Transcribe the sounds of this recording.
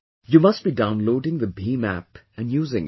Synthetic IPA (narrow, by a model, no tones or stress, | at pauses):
jumʌsʈ̚b̥idãʊ̃nloːɖɪ̃ŋd̪əbiːmæ̰p | ɨ̃njuːzɪ̰̃ŋ